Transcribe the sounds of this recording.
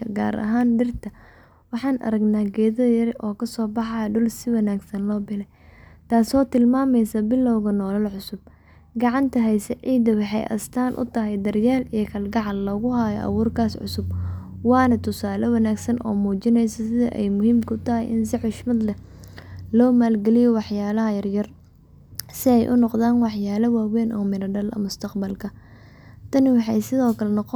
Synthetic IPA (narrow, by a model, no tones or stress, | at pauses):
ɐɡa̰ːɾɐ̰ɦaːnɖɪrt̪ʰɐ | wɑħɑːnʔɐ̰ɾɐɡnaːɡɛːðɐðjɐɾʔɔːkʰɐsɔːbɑħɑjɐɖʊlsɪwɐnaːɡsɐnlɔːbɪnɛ | t̪ʰaːsɔːt̪ɪlmaːmɛjsɐbɪlːɔwɣɐnɔːlɐlʕʊsʊb̚ | ɡɑʕɑnt̪ʰɐɦɛjsɐʕiːd̪ɐwɑħɑjʔɐ̰st̪ʰaːnʔʊ̰t̪ʰɐɦɛjd̪ɐrjaːlijɞkʰɐlɡɑʕɑllɐɣʊɦaːjɔʔɐ̰wuːrkʰaːsʕʊ̰sʊb | wɑːnɐt̪ʰʊsaːlɔwɐnaːɡsɐnʔɔ̰ːmuːt͡ʃɪnɛjsɐsɪðɐ̰ʔɛ̰jmʊhiːmkʰʊt̪ʰɐɦɛjɪns̬ɪʕʊʃmɐd̪lɛ | lɔːmaːlɡɛlɪjɔwɑħjaːlɐɦɐjɐrjɐr | sɪɛjʔʊnɔqðaːnwɑħjaːlɐwaːwɛːnʔɔːmɪɾɐɖɐlʔɐ̰mʊst̪ʰɐqbɐlkʰɐ | t̪ʰɐnɪwɑħɑjsɪðɔːkʰɐlɛnɔqɔ